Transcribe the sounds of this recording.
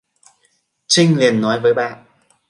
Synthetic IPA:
t͡ɕï˧ŋ̟li˨˩ənːɔ˨˦jvəː˨˦jɓa̰ː˧˨nʔ

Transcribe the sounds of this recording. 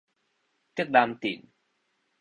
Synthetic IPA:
t͡ɕi˦˥k̚ɗaː˧mt̪ḭ˧˩n

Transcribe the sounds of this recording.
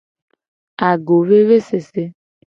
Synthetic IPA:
a˨ɡo˨βe˦βe˦se˨se˦

